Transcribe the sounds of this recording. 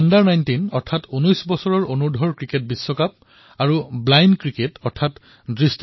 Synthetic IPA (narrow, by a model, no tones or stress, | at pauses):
ndaɹnajntinɔɹtʰatunɔjsbɔsɔɹɔɹonuɹdʱɔɹkɹiket̚bisːɔkap̚ | aɹublajnkɹiketɔɹtʰat | dɹist